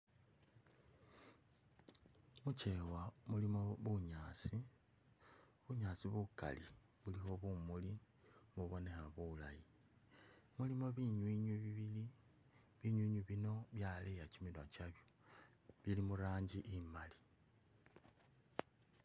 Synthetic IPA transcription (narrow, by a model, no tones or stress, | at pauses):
mut͡ʃe̞wamulimo̞βuɲaːt͡si | βuɲaːt͡siβuka̰li | βulixo̞βumuli | muβo̞ne̞xaβula̰ji | mulimo̞βiɲwiɲwiβiβili | βiɲwiːɲwiβino̞βjalejat͡ʃimilwat͡ʃaβjo | βilimuɾaːɲɟiʔimali̥